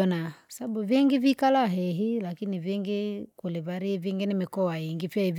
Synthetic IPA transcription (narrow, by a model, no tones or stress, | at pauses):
ɔnḁsaabuvjɛŋɡivikalaɦɛɦilakinivjɛŋɡikulɛvaɾiɛviŋɡinimikɔwajiŋɡipiaiv